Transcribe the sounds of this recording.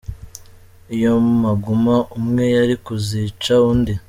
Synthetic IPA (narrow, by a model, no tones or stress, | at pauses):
ijo̞maɡumaʔumŋe̞jaɾikuziːt͡ʃaundi